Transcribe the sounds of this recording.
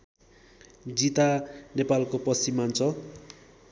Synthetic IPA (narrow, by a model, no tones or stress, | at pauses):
d͡zit̪anepalkopʌst͡simant͡sʰʌ